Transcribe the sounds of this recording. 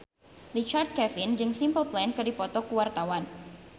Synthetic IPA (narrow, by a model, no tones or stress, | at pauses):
rit͡ʃard̪̚kɛfɪnd͡ʒɨŋsimpəlplɛnkɨdipɔt̪ɔkuwart̪awan